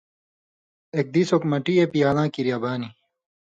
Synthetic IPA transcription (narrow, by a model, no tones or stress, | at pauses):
ek̚d̪isokmɐʈiepijaːlãːkiɾjɐbaːni